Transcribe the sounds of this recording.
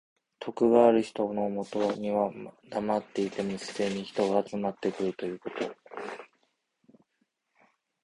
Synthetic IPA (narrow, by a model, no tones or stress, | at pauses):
t̪ʰo̞kɯ̟ɡaːɾɯ̟çi̥t̪ono̞mo̞t̪o̞ɲ̟iβad̪amat̪ːe̞it̪e̞mosɨ̥d̪e̞ɲ̟içi̥t̪o̞ɡaːt͡sɨmat̪ːe̞kɯ̟ɾɯ̟t̪o̞jɯ̟ːko̞t̪o̞